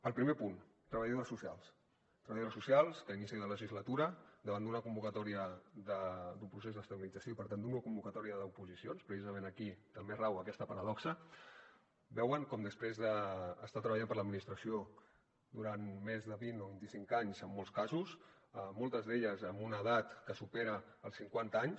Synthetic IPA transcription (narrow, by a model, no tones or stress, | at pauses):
əlˠpɾimepun | t̪ɾəβəʎosusialˠs | t̪ɾəβaʎosusialˠskəinisiðələʒizlət̪uɾəd̪əβand̪unəkumbukət̪ɔɾiəðəd̪umpɾusezðəst̪əβilid͡zəsjopəɾt̪and̪unəkumbukət̪ɔɾiəðəupuzisionspɾəsizəmenəkit̪əmberawəkɛst̪əpəɾəðɔksə | bɛwəŋkɔmd̪əspɾezðəːst̪at̪ɾəβəʎampəɾləd̪minist̪ɾəsio | d̪uɾanmezðəβinoβint̪isiŋkaɲzəmːolˠskazus | əmolˠt̪əzðeʎəzəmbunəðat̪kəsupeɾəː | lˠsiŋkwant̪əaɲs